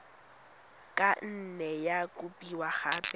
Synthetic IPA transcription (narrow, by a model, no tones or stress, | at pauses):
kʼan̩nɛjakʼʊpʼiwaχaːpʼɛ